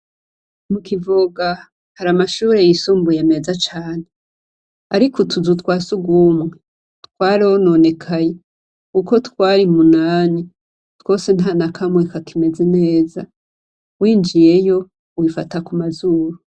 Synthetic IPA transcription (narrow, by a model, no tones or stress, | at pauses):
mukivuɡa | haɾamaʃuːɾe̞jisuːmbujeme̞zat͡ʃaːne | aɾikotʰuzutwaːsuɡumŋe | twaːɾionone̞kʰaje | kuko̞twaːɾimunaːni | two̞se̞n̥hanakʰamwekakʰime̞zene̞ːza̰ | wiːnd͡ʒije̞jo̞ | uwifatakumazuːɾu